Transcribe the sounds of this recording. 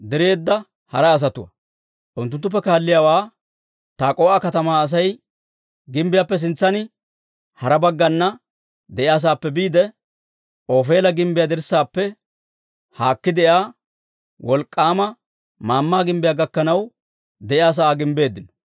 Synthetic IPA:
d̪ɛɾeːd̪ːɐ | hɐɾɐːs̬ɐt̪ʊwɐ̰ | ʔʊnt̪ːʊnt̪ːʊpːɛkaːlːɪjaːwaː | t̪aːkʼoːʔɐkɐt̪ɐmaːs̬ɐj | ɡɪmbɪjaːpːɛs̬ɪnt͡sːɐnɪ | hɐɾɐbɐɡːɐnːɐ | d̪ɛʔɪas̬aːpːɛbiːd̪ɛ | ʔoːfe̞ːlɐɡɪmbɪjaːd̪ɛɾsːaːpːɛ | haːkːɪd̪ɛʔjaː | wɔlkʼːaːmɐ | maːmːaːɡɪmbɪjaːɡɐkːɐnɐw | d̪ɛʔɪas̬aaːɡɪmbe̞ːd̪ːɪnɔ̥

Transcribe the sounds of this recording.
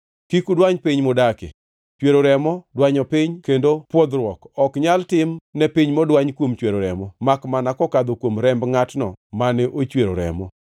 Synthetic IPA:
kikudwaɲpiɲmodakḛ | t͡ʃweɾoɾɛmɔdwaɲɔpɪɲkendopwod̪ɾwɔkɔkɲaltɪmnɛpiɲmɔdwaɲkwomt͡ʃweɾoɾɛmɔmakmanakɔkad̪okwomɾɛmbŋatnɔmanɛʔot͡ʃweɾo̰ɾɛ̰mɔ

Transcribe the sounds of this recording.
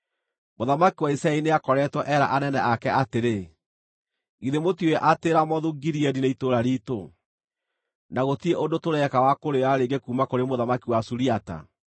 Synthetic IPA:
moðamakiwaisaɛineakɔɾɛtwɔʔɛɾa̰ʔanɛnɛʔakɛʔateɾe | ɣiðemotioɛʔateɾamɔðuɡiɾiɛdineitoɾaɾito | naɣotieʔondotoɾɛkawakoɾeaɾeːɡekuːmakoɾemoðamakiwasuɾiata̰

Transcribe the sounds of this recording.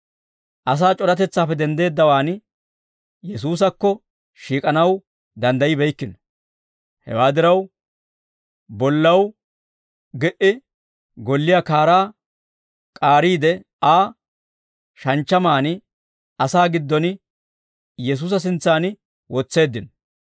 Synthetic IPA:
ʔɐs̬aːt͡ʃʼɔɾɐt̪ɛt͡sːaːpːɛd̪ɛnd̪e̞ːd̪ːɐwaːn | jɛsuːs̬ɐkːɔ | ʃiːkʼɐnɐw | d̪ɐnd̪ɐjɪbɛjkːɪn | hɛ̰waːd̪ɪɾɐw | bɔlːɐw | ɡɛʔɪ | ɡɔlːɪjaːkaːɾaː | kʼaːɾiːd̪ɛ | aː | ʃɐnt͡ʃːɐmaːnɪ | ɐsaːɡɪd̪ːɔn | jɛs̬uːs̬ɐs̬ɪnt͡sːaːn | wɔt͡sːe̞ːd̪ːɪn

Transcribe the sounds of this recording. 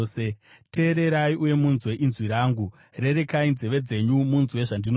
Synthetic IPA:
e | te̞ːɾe̞ɾaiʔuje̞munzwe̞ʔinzwiɾaːŋɡu | re̞ɾekainzeʋe̞d͡ze̞ɲumunzwe̞ʐandino

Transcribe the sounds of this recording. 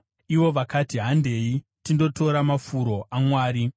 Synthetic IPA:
iʋo̞ʋakatiɦande̞i | tindo̞to̞ɾamafuɾo̞ʔamwaːɾi

